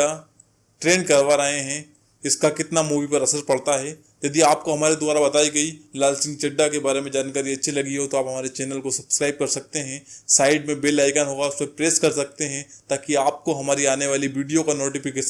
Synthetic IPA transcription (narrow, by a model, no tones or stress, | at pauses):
a | ʈɾeːnkɐɾʋaɾɐɦeɦɛ̃ | ɪskakɪt̪namuːʋipɐɾɐsəɾpɐɽt̪aɦɛ | jɐd̪iaːp̚koɦɐmaːɾid̪ʊbaːɾabɐt̪aːiɡɐilaːlsɪ̃ŋt͡ʃɐɖːakebaːɾemẽd͡ʒaːnkəɾiɐtːʃʰilɐɡiɦot̪oaːpɦɐmaːɾet͡ʃɛːnəlkosɐb̥skɾaːɪb̚kɐɾsɐk̚t̪eɦɛ̃saːɪɖmẽbeːlaːɪkaːnɦoːɡaʊsmẽpɾeːskɐɾsɐk̚t̪eɦɛ̃t̪aːkiaːp̚koɦɐmaːɾiaːneʋaːliʋiːɖijokanoːʈifɪkeːʃ